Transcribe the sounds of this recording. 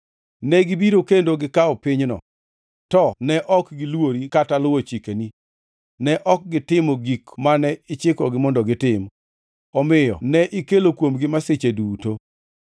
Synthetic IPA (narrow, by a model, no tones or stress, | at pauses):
nɛɡɪbiɾokendoɡɪkaɔpɪɲnɔ̰ | tɔnɛʔɔkɡɪlwoɾikatalʊwot͡ʃikeni | nɛʔɔk̚ɡɪtɪmɔɡikmanɛɪt͡ʃɪkɔɡɪmɔndɔɡɪtɪm | ɔmɪjɔ̰nɛʔɪkelokwomɡɪmasɪt͡ʃeduːto